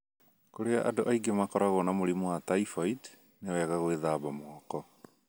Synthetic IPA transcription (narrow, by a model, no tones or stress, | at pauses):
koɾeaʔa̰doʔaiɡemakɔɾaɣɔnamoɾimuataifait | newɛɣaɣweðaːβamoakɔ